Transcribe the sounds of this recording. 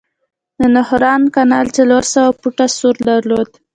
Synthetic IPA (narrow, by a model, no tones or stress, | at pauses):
d̪ənʊhɾɑnkanɑlt͡saloɾsawapuʈasuɾd̪aɾlod̪